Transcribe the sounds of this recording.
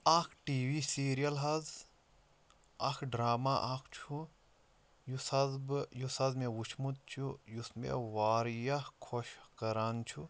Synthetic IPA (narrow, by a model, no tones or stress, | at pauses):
ɐkʰʈiːʋiːsiːɾijɐlɦɐz | ɐkʰɖɾaːmaʔakʰt͡ʃʰu | jusɐzbjusɐzmeʋut͡ʃʰmut̪̚t͡ʃʰujusmḛʋaːɾjɐhkʰoʃkɐɾaːnt͡ʃʰu